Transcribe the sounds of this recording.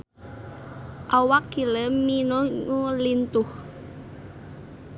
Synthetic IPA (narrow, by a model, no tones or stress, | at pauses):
ʔawakːiləminoŋulint̪ʊh